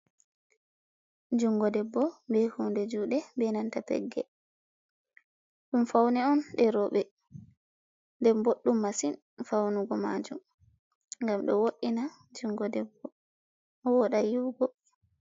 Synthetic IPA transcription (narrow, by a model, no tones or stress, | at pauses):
d͡ʒuŋɡɔdɛbːɔbɛhundɛd͡ʒuːɗɛbɛnantapɛ̰ɡːɛ̰ | ɗumfawnɛɔnɗɛɾɔɓɛ | ndɛmboɗːumːasin | fawnuɡɔma̰d͡ʒum | ŋɡamɗɔwoɗina | d͡ʒuŋɡɔdɛbːɔ | wɔɗajuɡɔ